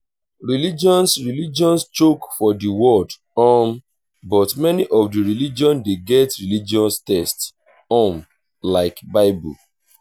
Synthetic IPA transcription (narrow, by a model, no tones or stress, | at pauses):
ɹilid͡ʒɔ̃nsɹilid͡ʒɔ̃nst͡ʃokfɔdiwɔld | ɔm | bɔtmɛniʔɔfdiɹilid͡ʒɔ̃ndeɡɛtɹilid͡ʒɔ̃nstɛsts | ɔ̃m | laɪkbaɪbṵl